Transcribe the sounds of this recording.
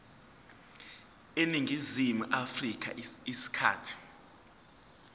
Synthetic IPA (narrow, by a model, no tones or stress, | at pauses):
eniŋʱizimuʔafrik̬ʰʼa̰isi̥kʰa̰ːtʰi̥